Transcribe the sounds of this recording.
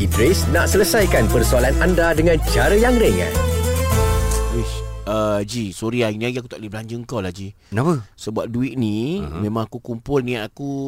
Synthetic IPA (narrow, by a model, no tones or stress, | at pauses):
ibɾesnaʔsələsajkanpərsualanandadəŋãnt͡ʃaɾəjaŋɾɛŋa̰ | wiəd͡ʒisoɾiainiaɡiak̬ut̪aʔlibəlaɲd͡ʒəŋkawlahd͡ʒi | apəsəbuat̪̚duiʔ̚nĩmẽmãŋakukumpʊlnĩaku